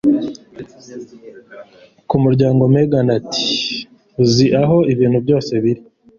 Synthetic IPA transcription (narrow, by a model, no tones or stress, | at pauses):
kumuɾɟaːŋɡo̞meɡanati̥ | uziʔaɦo̞iβiːn̥hubɟo̞ːse̞βiɾi